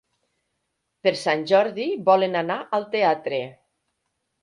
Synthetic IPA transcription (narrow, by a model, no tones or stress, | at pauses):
peɾsanʲʒɔɾðibɔlenanaʔalˠt̪eat̪ɾe